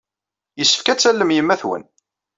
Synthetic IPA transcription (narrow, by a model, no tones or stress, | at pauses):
jəsːə̥fkæt͡sːælːəmjəmːæθwə̰n